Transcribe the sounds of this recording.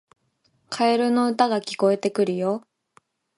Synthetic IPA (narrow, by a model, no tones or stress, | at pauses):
kʰaeɾɯ̟no̞ɯ̟t̪aɡakʲi̥ko̞e̞t̪e̞kɯ̟ɾɯ̟jo̞